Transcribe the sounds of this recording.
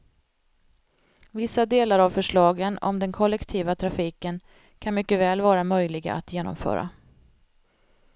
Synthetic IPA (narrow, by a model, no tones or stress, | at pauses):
vɪsːad̪eːlaɾavfœʂɭɑːɡənɔ̰md̪ɛnkʰɔlːɛkt̪ʰiːvat̪ʰɾafiːkən | kʰanmʏkːəvɛːlvɑːɾamœjlɪɡa̰ʔa̰t̪jeːnɔ̰mfœ̰ːɾa̰